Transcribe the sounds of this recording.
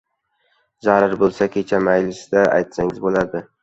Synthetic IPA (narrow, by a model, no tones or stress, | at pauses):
zaɾaɾbolˠsakʲʰe̞t͡ʃʰamajlɪsɪd̪aa̰jt̪saŋɪzbolad̪ɪ